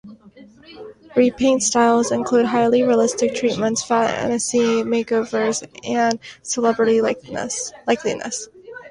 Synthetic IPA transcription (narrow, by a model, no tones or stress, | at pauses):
ɹipʰẽɪ̃ntstaɪlˠzɨ̃nkʰl̥ʉd̚ɦaɪlˠiɹiəlɪstɨk̚tʰɹ̥it̚mə̃ntsfaɛ̰̃nɨsimeɪkoʊvə˞zɨ̃nsəlɛbɹɨɾi | laɪklḭnɨ̰s